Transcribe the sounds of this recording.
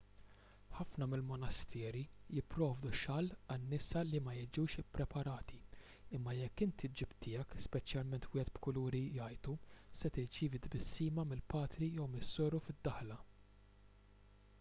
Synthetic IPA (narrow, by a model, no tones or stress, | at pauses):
ħɐfnɐmɪlmɔnɐst̪ʰɛːɾijɪpːɾɔːvd̪uʃɐlːɐnːɪsɐlimɐjɪd͡ʒuːʃɪpːɾɛpɐɾɐːt̪i | ɪmːɐjɛkːɪnt̪id͡ʒɪbt̪ɪːɐkspɛt͡ʃjɐlmɛnt̪wɪːhɛt̪̚bkʊluːɾijɐjt̪usɛt̪ɪɾt͡ʃiːvid̪bɪsːiːmɐmɪlpɐːt̪ɾijɔwmɪsːɔːɾufɪd̪ːɐħlɐ